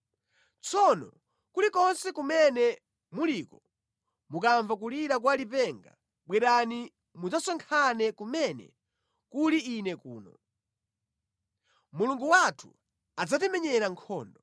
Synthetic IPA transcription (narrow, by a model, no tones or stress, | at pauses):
t͡sɔnɔ̰ | kulikɔnsɛkumɛnɛ | muliːkɔ | mukaɱvak̬uliɾak̬walipɛŋɡa̰ | ɓwɛɾani | mud͡zasɔŋkʰanɛkumɛnɛ̰ | kuliːnɛkṵːnɔ̰ | muluŋɡuwatʰu̥̰ | ad͡zatɛmɛɲɛɾaŋkʰɔːndɔ